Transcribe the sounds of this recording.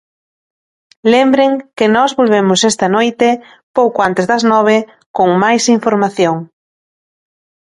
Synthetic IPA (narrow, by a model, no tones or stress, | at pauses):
lembɾeŋkɪnɔzβolβ̞emʊsɛst̪ɐnojt̪ɪ | powkoant̪ezðɐznɔβ̞e | koŋmajsiɱfoɾmaθjoŋ